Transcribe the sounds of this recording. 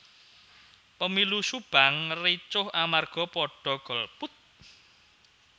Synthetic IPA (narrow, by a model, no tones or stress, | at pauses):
pəmilusub̥a̤ŋrit͡ʃʊhamarɡ̥ɔ̤pɔɖ̥ɔ̤ɡ̥ɔ̤lput̪̚